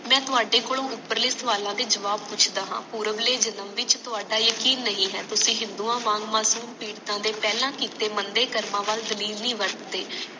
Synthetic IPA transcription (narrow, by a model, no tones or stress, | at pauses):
mɛ̃ːt̪ʊaːɖeːkoːlõːʔʊpːəɾlɪst̪ʋaːlãːd̪eːd͡ʒəʋaːb̚pʊt͡ʃʰd̪aːɦã̰ːpuːɾəʋleːd͡ʒənəmʋɪt͡ʃt̪ʊaːɖaːjəkiːnːəɦĩːɦɛ̰ːt̪ʊsĩːɦɪ̃nd̪uːãːmãːŋɡmaːsuːmpiːɽt̪ãːd̪eːpɛːlãːkiːt̪eːmənd̪eːkəɾmãːʋaːld̪əliːlnĩːʋəɽt̪eː